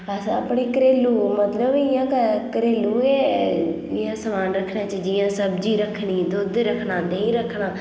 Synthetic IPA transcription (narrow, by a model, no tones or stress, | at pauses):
əsãəpɽeːkəɾeːluːmət̪ləbɪjãːkəkəɾeːluːeːd͡ʒɪjãːsəmaːnɾəkʰɳaːt͡ʃəd͡ʒijãːsəbd͡ʒiːɾəkʰɳiːd̪oːd̪ɾəkʰnaːnəĩːɾəkʰɳaː